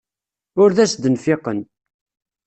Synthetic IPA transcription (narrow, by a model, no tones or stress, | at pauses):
ʊɾðæsd̪ənfɪqən